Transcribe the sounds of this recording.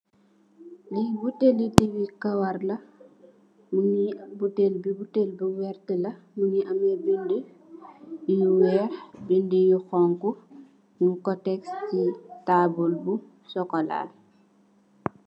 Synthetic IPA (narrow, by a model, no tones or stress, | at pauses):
libutelitiwikɐwɐrlɐ | muɲibutelbibutelbiwɛrtəlɐ | muɲiʔɐmɛbində | jiwɛɾbindəjuxɔŋku | mukɔtɛkscitaːbulbu | sɔkɔla̰ːl